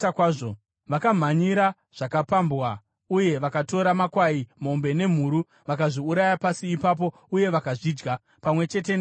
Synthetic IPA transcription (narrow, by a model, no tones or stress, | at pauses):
akwaːo | ʋakam̤aɲiɾa | ʐ̥akapambwa | uje̞ʋakato̞ɾamakwaim̤o̞mbe̞ne̞m̤uːɾu | ʋakaʐiuɾajapasiːpap̬o̞ | uje̞ʋakaʐiːd͡ʒɡa | pamwe̞t͡ʃe̞te̞n